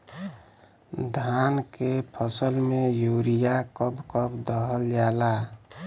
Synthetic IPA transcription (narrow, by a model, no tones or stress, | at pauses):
d̪ʱankepʰəsəlmejuɾijakəbkəbd̪əɦəld͡ʒala